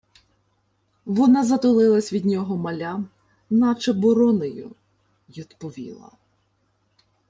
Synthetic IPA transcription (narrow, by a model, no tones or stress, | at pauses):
ʋɔnɑzɐt̪ʊlˠɪlˠɐsʲʋʲid̪ʲnʲɔɦɔmɐlʲa | nɑt͡ʃɐbɔɾɔnɔjʊ̰ | jʲit̪pɔʋʲḭlˠɐ̰